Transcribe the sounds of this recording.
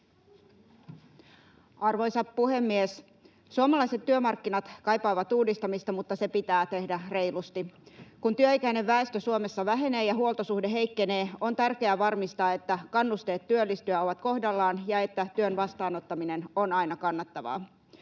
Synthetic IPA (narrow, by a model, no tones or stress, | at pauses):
ɑrʋo̞jsɑppuhe̞mːies | suomɑlɑiset̪ːyømɑrkːinɑt̪kɑjpɑːʋɑt̪uːdist̪ɑmist̪ɑmut̪ːɑse̞pit̪æːt̪e̞hdærejlust̪ikunt̪yøikæine̞ʋːæest̪øsuome̞sːɑʋæɦe̞ne̞ːjɑɦuolˠt̪osuhdeɦe̞ikːe̞ne̞ːo̞nt̪ærke̞æʋɑrmist̪ɑːe̞t̪ːækɑnːust̪e̞ːt̪tyølːist̪yæo̞ʋɑt̪ko̞hdɑlːɑːnjɑe̞t̪ːæt̪yønʋɑst̪ɑːno̞t̪ːɑmine̞nonɑinɑkɑnːɑt̪ːɑʋɑ̰ː